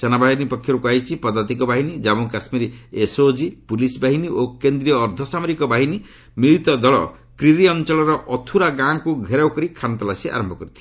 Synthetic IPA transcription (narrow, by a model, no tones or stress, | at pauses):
senabaɦinipɔkʰːjɔɾukuajt͡ʃʰipɔd̪at̪ikɔbaɦinid͡ʒabuŋkasmiɾiesod͡ʒipulisbaɦiniʔokend̪ɾiɔːɾd̪ʱɔsamɔɾikɔbaɦini | miɭit̪ɔd̪ɔɭɔ̰ | kɾiɾiɔnt͡ʃɔɭɔɾɔʔɔt̪ʰuɾaɡãkuɡʱeɾawkɔɾikʰant̪ɔlasiʔa̰ɾɔmbʱɔkɔɾit̪ʰi̥